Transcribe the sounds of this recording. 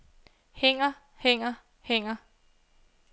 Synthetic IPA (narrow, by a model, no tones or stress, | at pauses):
heŋ̰ɐ | heŋ̰ɐ | heŋ̰ɐ